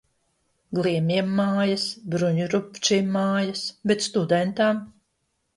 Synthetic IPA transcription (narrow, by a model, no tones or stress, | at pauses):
ɡlˠiɛmʲiɛmːaːjasbɾuɲuɾupt͡ʃimːaːjɐsbɛt̪st̪ud̪ɛnt̪am